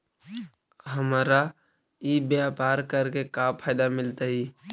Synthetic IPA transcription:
ɦəmaːɾa | ibjapaːɾkəɾkekapʰaːɪd̪amɪlt̪aɦiː

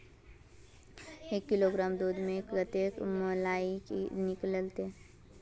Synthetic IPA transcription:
eːkːɪloɡɾaːmd̪uːd̪ʱmẽekɾət̪eːkmolaːikinɪkləlt̪e

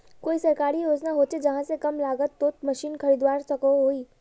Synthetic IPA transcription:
koːisɐɾkaːɾijoːd͡ʒnaɦoːt͡ʃed͡ʒɐɦãsekɐmlaːɡət̪ːoːt̪mɐʃiːnkʰɐɾiːd̪waːɾsɐkoɦoːiː

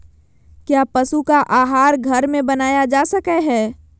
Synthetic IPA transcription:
kjaːpəsukaʔaːɦaːɾɡʱɐɾmẽbɐnaːjad͡ʒaːsəkɛɦɛː

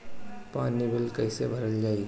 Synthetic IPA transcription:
panibʱilkəjsebʱəɾəld͡ʒai

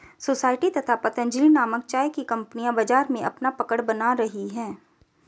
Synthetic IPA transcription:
soːsaːɪʈit̪ɐt̪ʰapɐt̪ə̃nd͡ʒlinaːmək̚t͡ʃaːjkikɐ̃mpnijãbad͡ʒaːɾmẽʔɐpnapɐkəɽbɐnaɾɐɦiɦɛ̃ː

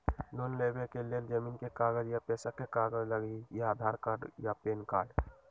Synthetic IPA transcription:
lonlebekeleld͡ʒəminkekaɡəd͡ʒjapɛːsakekaɡəd͡ʒləɡijaːd̪ʱaɾkaːɾɖjapeːnkaːɾɖ

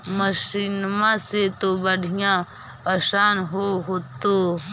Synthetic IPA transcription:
məʃiːnmaset̪obəɽʱijã | pəʃaːnɦoɦoːt̪o

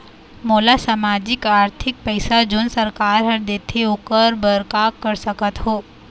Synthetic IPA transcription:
moːlasaːmaːd͡ʒɪkaːɾt̪ʰɪk̚pəɪsad͡ʒʊnsəɾkaːɾɦɐɾd̪eːt̪ʰeʊkəɾbəɾkaːkːəɾsəkət̪ɦoː

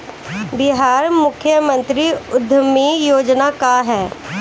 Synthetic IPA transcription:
bɪɦaːɾmʊkʰjəmə̃nt̪ɾiʊd̪ʱəmijoːd͡ʒnakaɦɛː

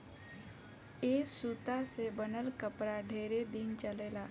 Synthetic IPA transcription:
eːsut̪asebənəlkəpɾaɖʱeːɾed̪ɪnt͡ʃəleːlaː

